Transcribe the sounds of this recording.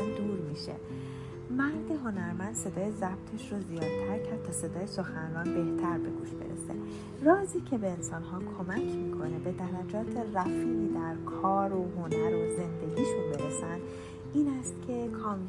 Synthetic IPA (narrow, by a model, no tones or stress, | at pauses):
d̪uɾmiːʃḛ | mæɾd̪eɦo̞næɾmænd̪̥se̞d̪ɒːjezæb̥t̪ʰeʃɾozijɒːd̪̚t̪ʰæɾcʰæɾd̪̚t̪ʰɒːse̞d̪ɒːjeso̞xænrɒːnbe̞ht̪ʰæɾbe̞̰ɡuːʃb̥e̞̰ɾḛsḛ | rɒːziːcʰe̞be̞ːnsɒːnɦɒːkʰo̞mæcʰmiːkʰo̞ne̞be̞d̪æɾæd͡ʒɒːt̪ʰe̞ræfiːniːd̪æɾkʰɒːɾoɦonæɾoze̞nd̪e̞ɡʲiːʃobe̞ɾesænd̪ | iːnæst̪cʲʰe̞kʰɒːŋ